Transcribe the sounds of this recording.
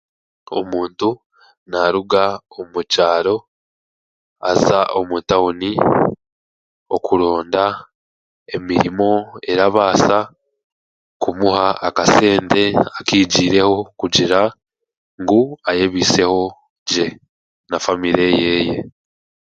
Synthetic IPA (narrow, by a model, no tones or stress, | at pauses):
o̞̰muːntu | naɾuɡaomucaːɾo̞ | azaʔo̞mutaoni | o̞kuɾo̞ːnda | emiɾimo̞e̞ɾaβaːsa | kumuhaːkase̞ːnte̞akiːɟiːɾe̞ho̞kuɟiɾa | ŋɡuajeβiːse̞ho̞ | ɟe̞ | nafamiɾe̞je̞ːje̞